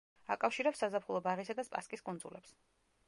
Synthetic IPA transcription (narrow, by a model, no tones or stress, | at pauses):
akʼafʃiɾɛpsazapʰχulˠɔbaɾisad̪aspʼa̰skʼiskʼund̪zṵlɛps